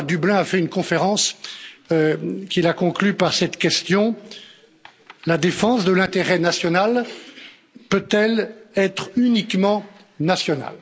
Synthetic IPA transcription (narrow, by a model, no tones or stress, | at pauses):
ʁd̪yblɛ̃afɛynkɔ̃feʁɑ̃s | kʲilakɔ̃klypaʁsɛt̪kʲɛst̪jɔ̃ | lad̪efɑ̃sd̪əlɛ̃t̪eʁɛnasjɔnal | pøt̪ɛlɛt̪χynikmɑ̃ | nasjɔna̰l